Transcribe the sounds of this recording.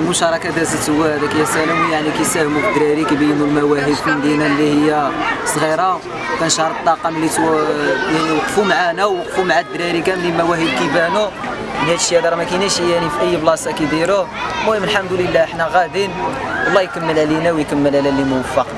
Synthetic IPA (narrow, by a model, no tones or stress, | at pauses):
mʊʃɑɾˤɑkæd̪æzət̪əwːæhæd̪ækæjːæsælæwijaʕnikæjsæhmufəd̪ɾiɾikibijnulmæwæɦəd̪fənd̪inælːihəjːæsˤɣiɾˤɑ | kænʃɑɾˤt̪ˤːɑqɑmlːit̪ | jaʕniwəqfumaʕanæwːəqfumaʕad̪ɾiɾikæmnilmæwæhəd̪̚kibænu | mənhæt̪əʃjæd̪ɑɾˤmækænæʃijænifiʔəjːəblɑsˤɑkid̪iɾumuəməlħəmd̪uləlːæəħnæɣæd̪inwəlˤːɑjkəmːəlʕælinæwjkəmːəlʕlælimʊwəfːɑq